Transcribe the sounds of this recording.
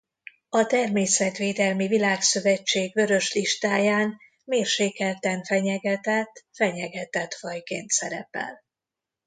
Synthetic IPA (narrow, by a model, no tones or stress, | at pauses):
ɒt̪ɛrmeːsɛt̪ʋeːd̪ɛlmivilaːksø̞vɛt͡ʃːeːɡʋø̞ɾø̞ʃliʃt̪aːjaːn | meːrʃeːkɛlt̪ɛnfɛɲɛɡɛt̪ɛt̪ːfɛɲɛɡɛt̪ɛt̪fɒjkeːnt̪sɛɾɛ̰pɛ̰l